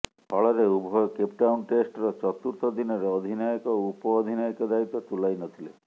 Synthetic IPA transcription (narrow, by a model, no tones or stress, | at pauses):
hɔɭɔɾeubʱɔjɔkep̚ʈawnʈesʈɾɔt͡ʃɔt̪uɾt̪ɔd̪inɔɾeɔd̪ʱinajɔkɔupɔːd̪ʱinajɔkɔd̪ait̪ɔt̪ulajnɔt̪ʰile